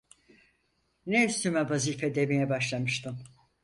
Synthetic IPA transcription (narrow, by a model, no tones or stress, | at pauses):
nɛyst̪ʰymavazifɛd̪emijɛbaʃlˠamɯʃt̪ʰɯm